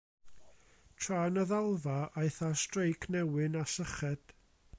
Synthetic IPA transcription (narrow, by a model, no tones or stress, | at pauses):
tʰraːnəðalˠvaʔajθastrejkʰnɛwɨnasəχɛd̥